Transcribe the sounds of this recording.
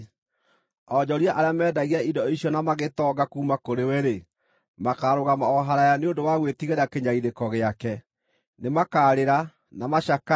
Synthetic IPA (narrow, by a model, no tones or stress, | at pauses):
ɔd͡ʑɔɾiaʔaɾeamɛːdaɣiaidɔiɕjɔnamaɣetɔɡakuːmakoɾewɛɾe | makaɾoɣamaɔɦaɾajaneondowaɣwetiɣeɾakeɲaiɾekɔɣeakɛ | nemakaːɾeɾa | namaʃaka